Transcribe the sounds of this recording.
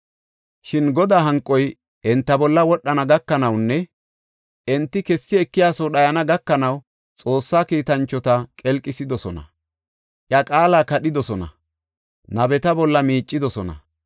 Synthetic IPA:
ʃɪnɡɔd̪aːɦɐŋkʼːɔj | ʔɛnt̪ːɐbɔlːɐwɔɗːɐnɐɡɐkːɐnɐwnːɛ | ʔɛnt̪ːɪkɛsːɪɛkːɪjaːsɔɗɐjɐnɐɡɐkːɐnɐw | t͡sʼo̞ːsːaːkiːt̪ɐnt͡ʃːɔt̪ɐkʼɛlkʼːɪsɪd̪ɔsɔnɐ̰ | ʔjɐkʼaːlaːkɐɗɪd̪ɔsɔnɐ̰ | nɐbɛt̪ɐbɔlːɐmiːt͡ʃʼːɪd̪ɔsɔnɐ̰

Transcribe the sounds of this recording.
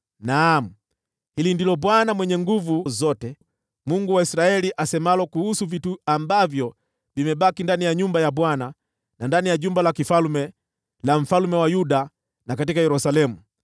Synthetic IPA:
nam̩ | hilindilɔɓwanamwɛɲɛŋɡuvuzɔtɛ | muŋɡuwaisɾaɛliʔasɛmalɔkuhusuvituambavjɔ | vimɛɓakindanijaɲumbajaɓwana | nandanijaʄumbalakifalmɛ | lam̩falumɛwajuɗa | nakatikajɛɾusalɛmu

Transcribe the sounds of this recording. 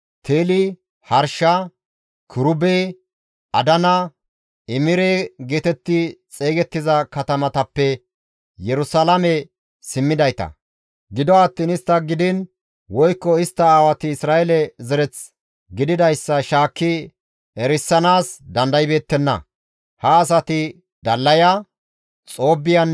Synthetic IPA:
t̪ʰeːlɪ | hɐɾʃɐ | kʰʊɾʊbeː | ʔɐd̪ɐnɐ | ɪmɪɾɛɡeːt̪ɛt̪ːɪt͡sʼe̞ːɡɛt̪ːɪzɐkɐt̪ɐmɐt̪ɐpːɛ | jɛɾʊsalɐmɛ | sɪmːɪd̪ɐjt̪ɐ̰ | ɡɪd̪ɔat̪ːiːnɪst̪ːɐɡɪd̪ɪn | wɔjkːɔɪst̪ːɐaːwɐt̪ɪɪsɾaːɛlɛzɛɾɛt͡s | ɡɪd̪ɪd̪ɐjsːɐʃaːkːɪ | ɛɾɪsːɐnaːsd̪ɐnd̪ɐjbe̞ːt̪ːɛnːɐ̰ | hɐːs̬ɐt̪ɪ | d̪ɐlːɐjɐ | t͡sʼo̞ːbːɪjɐn

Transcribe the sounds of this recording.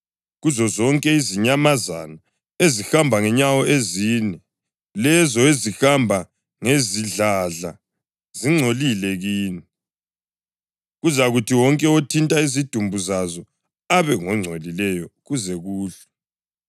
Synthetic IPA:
ɣuzɔzɔŋkʼɛiziɲamaza̰na | ezixambʱaŋɛɲawɔʔeziːnɛ | lɛzɔezixambʱa | ŋeziɮaɮa̰ | ziŋ͡ǀʱolilɛɣiːni | ɣuzaɣutʰiwɔŋkʼɛotʰintʼaizid̥ʱumbʱuzazɔ | aβɛŋɔŋ͡ǀʱolilɛjɔɣuzɛɣuːɮɛ

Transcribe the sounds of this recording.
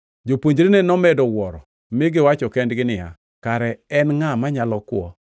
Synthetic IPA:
d͡ʒopwoɲd͡ʒɾinenɔmɛdɔwɔɾɔ | mɪɡɪwat͡ʃɔkɛndɡɪnɪja̰ | kaɾɛɛnŋamaɲalɔkwɔ̰

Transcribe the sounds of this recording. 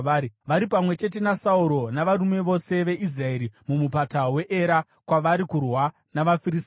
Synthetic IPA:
ʋaɾipamwe̞t͡ʃe̞t̬e̞nasauɾo̞naʋaɾume̞ʋo̞se̞ʋe̞ʔis̬rae̞ɾimumupatawe̞ʔeɾa | kwaʋaɾikurwa | naʋafiɾis

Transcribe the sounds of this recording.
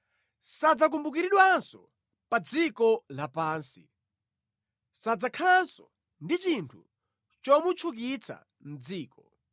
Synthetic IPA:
sad͡zak̬umbuk̬iɾiɗwansɔ | pad͡zikɔlapaːnsi | sad͡zakʰansɔ | ndit͡ʃintʰṵ | t͡ʃɔmut͡ʃʰuk̬it͡sʰa̰ | n̩d͡ziːkɔ

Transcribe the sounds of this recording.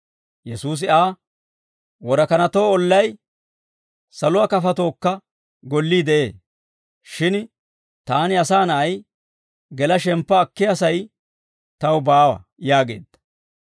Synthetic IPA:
jɛsuːs̬ɪʔaː | wɔɾɐkɐnɐt̪o̞ːɔlːɐj | sɐlʊakɐfɐt̪o̞ːkːɐ | ɡɔlːiːd̪ɛʔe̞ː | ʃɪn | t̪aːnɪɐsaːnɐʔɐj | ɡɛlɐʃɛmpːɐːkːɪɐsɐj | t̪ɐwbaːwɐ̰jaːɡḛːd̪̥ɐ̥

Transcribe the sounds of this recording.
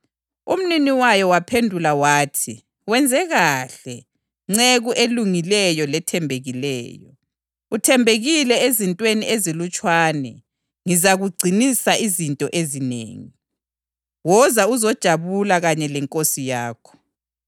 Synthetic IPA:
um̩niniwajɔwapʰendʱulawaːtʰi | wɛnd͡zʱɛɣaɬɛ | ŋ͡ǀeɣuʔeluŋilɛjɔlɛtʰɛmbʱeɣilɛ̰ːjɔ | utʰɛmbʱeɣilɛezintʼweniezilut͡ʃʼwaːnɛ̰ | ŋizaɣuɡ͡ǀʱinisaʔizintʼɔʔezinḛːŋi | wɔzauzɔd̥ʒ̥ʱaβulaɣaɲɛlɛŋkʼosijaːkʰɔ̥

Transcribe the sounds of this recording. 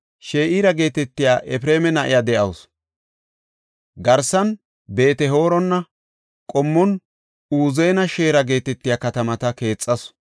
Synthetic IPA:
ʃeːʔiːɾɐɡe̞ːt̪ɛt̪ːɪjaːʔɛfɾeːmɛnɐʔɪ̰jad̪ɛʔɐws | ɡɐɾsːɐn | be̞ːt̪ɛɦo̞ːɾɔnːɐ | kʼɔmːɔn | uːzeːnɐʃe̞ːɾɐɡe̞ːt̪ɛt̪ːɪjakɐt̪ɐmɐt̪ɐke̞ːt͡sʼːɐs

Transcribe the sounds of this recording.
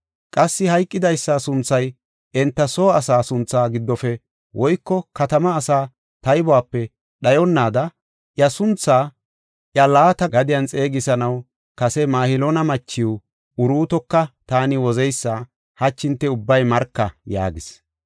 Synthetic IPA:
kʼɐsːɪhɐjkʼːɪd̪ɐjsːasʊnt͡sːɐj | ɛnt̪ːɐsoːɐsaːsʊnt͡sːaːɡɪd̪ːɔfɛ | wʔɔjkːɔkɐt̪ɐmɐːsaː | t̪ɐjbɔaːpːɛ | ɗɐjɔnːaːd̪ɐ | ʔjɐsʊnt͡sːaː | ʔjɐlaːt̪ɐɡɐd̪ɪjɐnt͡sʼe̞ːɡɪsɐnɐw | kɐsɛmaːhɪlɔnɐmɐt͡ʃːɪʊ | ʊɾuːt̪ɔkːɐt̪aːnɪwɔzɛjsːaː | hɐt͡ʃːɪnt̪ːɛʊbːɐjmɐɾkːɐja̰ːɡɪs

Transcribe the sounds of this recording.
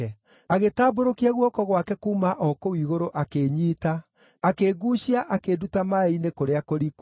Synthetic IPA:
aɣetaːboɾokiaɣwɔkɔɣwakɛkumaʔɔkoiːɣoɾoʔakeɲiːta | akeːɡuːɕiaʔakedutamaeinekoɾeakoɾik

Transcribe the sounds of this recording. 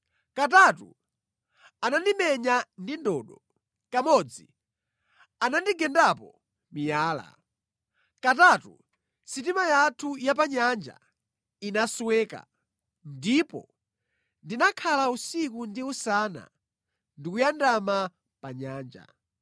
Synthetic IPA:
katatṵ | anandimɛɲandindɔːɗɔ | kamɔd͡zi | anandiɡɛndapɔ | mijaːla̰ | katatu | sit̬imajatʰujap̬aɲand͡ʒa̰ | inaswɛːka̰ | ndipɔ̰ | ndinakʰalausikundiusaːna̰ | ndikujandama | paɲaːnd͡ʒa̰

